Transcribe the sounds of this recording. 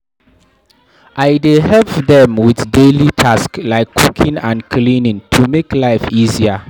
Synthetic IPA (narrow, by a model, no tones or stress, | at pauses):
ʔaɪdeɦɛlpðɛ̃mwiθdelitʰasklaɪkʰːukʰĩnãnkʰlĩnĩŋtʰumeklaɪfizia